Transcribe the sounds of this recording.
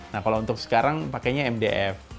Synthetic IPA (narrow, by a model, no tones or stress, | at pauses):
nahkalount̪ʊksə̥kaɾaŋpakaɲaɛmdeʔɛf